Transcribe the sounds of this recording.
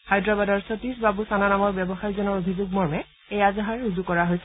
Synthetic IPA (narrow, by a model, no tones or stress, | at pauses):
xajdɹɔbadɔɹsɔtisbabusananamɔɹbjɛbɔxajzɔnɔɹobʱizuɡ̚mɔɹmɛ | ejazaɦaɹɹuzukɔɹaɦojsɛ